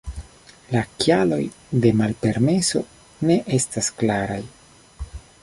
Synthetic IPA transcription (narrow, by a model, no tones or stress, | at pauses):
lakjalo̞̰jde̞malpe̞ɾme̞so̞̰ | ne̞ʔe̞stasklaɾaj